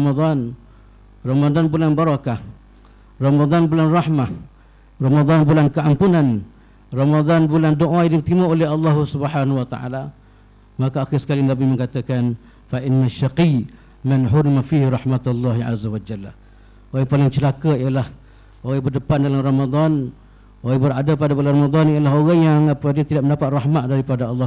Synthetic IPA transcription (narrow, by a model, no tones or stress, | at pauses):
mad̪ˤɑn | rɑmad̪anbulanbəɾɑkah | rɑmad̪ˤɑnbulanrɑħmah | rɑmad̪ˤɑnbulankəʔampunan | rɑmad̪ˤɑnbulandoʔadaŋt̪imaolɛhɑlːɑɦsubəħanuwat̪a̰ʔa̰la | makaaxɪrsə̥kalinabɪməŋkat̪akan | faʔɪnːaʃaqi | manɦʊɾimafihɾɑhmat̪alːɑɦiʔa̰zawad͡ʒalːa | oɣaŋpalɪŋt͡ʃəlakaijalah | ʔoɣabərdəpandalarɑmad̪ˤɑn | ʔoɣabəɾadapadabularɑmad̪ˤɔnijalaɦoɣaŋjaŋapadiat̪idaʔməndapat̪̚rɑhmaʔ̪̚daɾipadaɑlːɑ